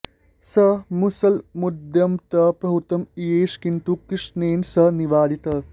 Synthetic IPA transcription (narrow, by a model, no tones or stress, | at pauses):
sɐmusɐlmud̪jɐmt̪ɐpɾɐɦut̪ɐmieːʃkint̪ukɾiʂneːnsɐniʋaːd̪it̪ɐ